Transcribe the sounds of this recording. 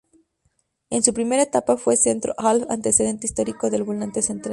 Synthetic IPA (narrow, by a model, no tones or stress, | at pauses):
e̞nsupɾime̞ɾaet̪apafwe̞se̞nt̪ɾo̰ʔalfa̰nt̪e̞se̞ðe̞nt̪eist̪o̞ɾiko̞ðe̞lβolnant̪esent̪ɾa